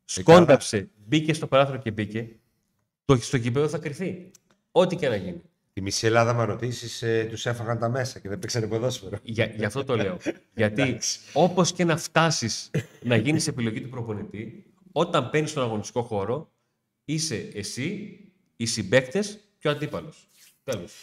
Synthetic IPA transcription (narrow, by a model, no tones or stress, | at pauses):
sko̞nɐfse̞ | bice̞st̪o̞pɐɾɐθoɾoce̞bice̞ | t̪ost̪oʝip̬e̞ðoθɐkɾiθi | o̞t̪icenɐʝini | t̪imisielɐðɐmɐɾo̞t̪isist̪use̞fɐɣɐnt̪ɐme̞sɐceðepeksɐnepoðo̞sfeɾoʝɐʝɐft̪ot̪o̞le̞o̞ʝɐt̪io̞po̞sce̞nɐft̪ɐsisnɐʝinisepilo̞ʝit̪upɾo̞po̞nit̪i | o̞t̪ɐmpe̞nist̪o̞nɐɣo̞nist̪i̥ko̞xo̞ɾo̞ | ise̞ːsi | isibe̞kt̪e̞s | ceɐnd̪ipɐlo̞s | t̪e̞los